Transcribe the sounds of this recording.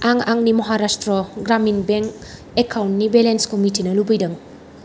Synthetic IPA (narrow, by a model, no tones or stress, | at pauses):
aŋaŋnimɐɦaɾastɾɔɡɾaminbeŋk | ekʰawntnibelenskomitinɐlubijdɐŋ